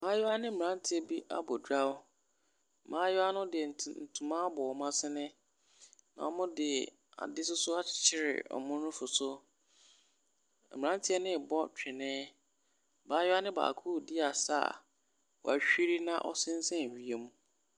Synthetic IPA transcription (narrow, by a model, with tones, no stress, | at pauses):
mãː˦jɛ˦a˦nɪ̃˦m̩˦˨ã˦n˦tʰɪ˦ɛ˦bi˦ʔa̰˦bɔ˨dɾa˦ʊ˦˨ | mãː˦jʊ˦a˦nʊ̃˦dɪ˨n̩˨n̩˨tʰũ˨mã˦bɔ˨ɔ˨mã˦sɪ˦nɪ̃˦ | nã̰˨ɔ˦mʊ̃˦dɪ˨ | a̰˨dɪ˦sʊ˦sʊ˦ḁ˦˨t͡ɕʰɪ˦˨ɾɪ̰˨ɔ̰˨mʊ̃˦nʊ̃˦fʊ˨sʊ˦˨ | mɪ˨ã˦ntʰɪ˦ɛ˦nɪ̃˦˨bɔ˦t͡ɕᶣʰɪ˨nɪ̃ː˦ | baː˨˦jʊ˦a˦nɪ̃˦ba̰ː˨kʰuː˦˨dɪ˦a˨sa̰˦˨ | wɔ̰˨a˨ɕᶣi˦ɾi˦nã̰˦ʔɔ̰˦sɪ̃˦n̩˦sɛ̃˦˨ɥi˨e˦mũ˦